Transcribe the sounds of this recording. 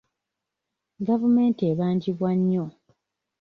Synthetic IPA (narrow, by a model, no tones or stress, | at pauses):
ɡavume̞ːntieːβaːɲɟiβwaɲːo